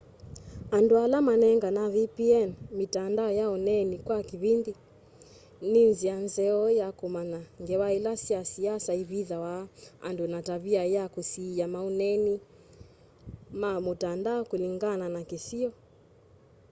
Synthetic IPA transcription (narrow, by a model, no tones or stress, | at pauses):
andualamanɛŋɡanavipiɛnmitandaɔjaɔnɛnikwakiβindi | ninzianzɛɔjakumanaŋɡɛwailasiasiasaiβiðawaa̰ndunataβiajakusiamaunɛni | mamutandaɔkuliŋɡananakisiɔ